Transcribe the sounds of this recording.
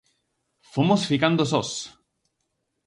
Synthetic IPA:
fomosfikand̪osos

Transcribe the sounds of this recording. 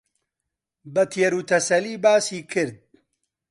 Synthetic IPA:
bɐt̪ʰieɾuːt̪ʰɐsɐliːbaːsiːkʰɨɾd̪̚

